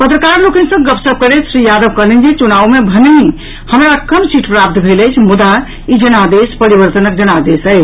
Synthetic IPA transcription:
pət̪ɾəkaɾlokə̃nsə̃ɡəpsəb̚kəɾet͡ʃʰsɾijad̪əbkəlind͡ʒit͡ʃunaʋumebʱənni | həmɾakəmsiʈʰpɾap̚t̪bʱeləjt͡ʃʰmud̪a | id͡ʒənad̪espəɾibəɾt̪ənək̚d͡ʒənad̪esə

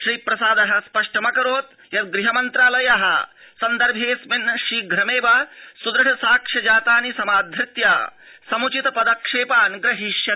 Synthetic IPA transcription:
ʃɾiːpɾɐsaːd̪ɐɦɐspɐʂʈɐmɐkɐɾoːt̪ | jɐt̪ɡɾiɦɐmɐnt̪ɾaːlɐjɐɦɐ | sɐnd̪ɐɾbʱeːsminʃiːɡʱɾɐmeːʋaːsud̪ɾɐɦɐsaːkʂɐd͡ʒaːt̪aːnisɐmaːd̪ʱɾɪt̪jaː | sɐmut͡ʃit̪ɐpɐd̪ɐkʂeːpaːnɡɾɐɦiʃjɐ

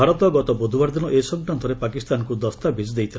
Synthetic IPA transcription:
aɾɔt̪ɔɡɔt̪ɔbod̪ʱubaɾd̪inɔʔesɔɡnant̪ʰɔɾepakist̪ankud̪ɔst̪abʱid͡ʒd̪ejt̪ʰil

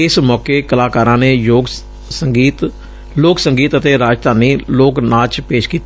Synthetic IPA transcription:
ɪsmɔːkeːkəlaːkaːɾãːneːjoːɡ | səŋɡiːt̪ | loːksəŋɡiːt̪ət̪eːɾaːd͡ʒd̪ʱaːniːloːknaːt͡ʃpeːʃkiːt̪ː

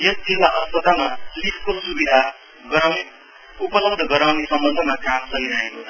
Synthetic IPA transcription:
jʌsd͡zilːaʔʌsʌd̪ʱamalipʰkosubid̪ʱa | ɡʌwne | upʌlʌb̚d̪ʱʌɡʌɾawnesʌmbʌnd̪ʱʌmakamsʌɦiɾaɦekot͡sʰʌ

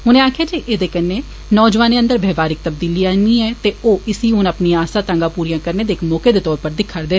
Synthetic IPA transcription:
ɦʊnẽːaːkʰjaːd͡ʒiːʔeːd̪eːkənːeː | nɔːd͡ʒʋaːnẽːə̃nd̪əɾbʱɛːʋaːɾɪk̚t̪əb̚d̪iːliːaːniːɛːt̪eːoːɪsiːɦʊnəpniːaːsaːt̪ãŋɡaːpuːɾijãːkəɾneːd̪eːkmɔːkeːd̪eːt̪ɔːɾpəɾd̪ɪkʰːəɾd̪eː

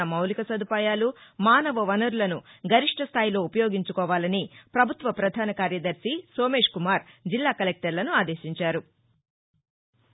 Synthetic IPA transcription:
ɐmɐwlikɐsɐd̪ʱupaːjaːlumaːnɐʋɐʋɐnɐɾulɐnuɡʱɐɾiʂʈʰɐst̪ʰaːjilo̞ːupɐjo̞ːɡiɲt͡ʃukɔːʋaːlɐnipɾɐbʱut̪ʋɐpɾɐd̪ʱaːnɐkaːɾjɐd̪ɐɾsiso̞ːme̞ːʂkumaːɾd͡ʒilːaːkɐlek̚ʈɐɾlɐnuaːd̪e̞ːʃiɲt͡ʃaːɾu

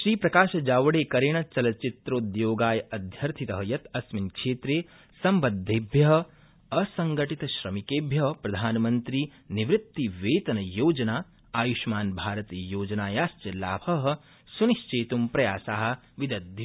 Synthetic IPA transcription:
ʃɾiːpɾɐkaːʃɐd͡ʒaːʋɐɽeːkɐɾeɳ̃ɐt͡ʃɐlɐt͡ʃit̪ɾoːd̪joːɡaːjɐɐd̪ʱjɐɾt̪ʰit̪ɐɦɐjɐt̪ɐsminkʃeːt̪ɾeː | sɐmbɐd̪ʱːeːbʱjɐɦɐ̆ | ɐsɐŋɡɐʈit̪ɐʃɾɐmikeːbʱjɐɦpɾɐd̪ʱaːnmɐnt̪ɾiː | niʋɾɪt̪ːiʋeːt̪ɐnɐjoːd͡ʒɐnaː | aːjuʃmaːnbʱaːɾɐt̪ijoːd͡ʒɐnaːjaːst͡ʃɐlaːbʱɐɦɐ̆ | suniʃt͡ʃeːt̪umpɾɐjaːsaːɦɐ̆ | ʋid̪ɐd̪̚

